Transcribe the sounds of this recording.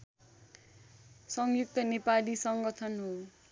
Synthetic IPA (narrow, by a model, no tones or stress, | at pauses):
sʌŋjuk̚t̪ʌnepalisʌŋɡʌt̪ʰʌnɦo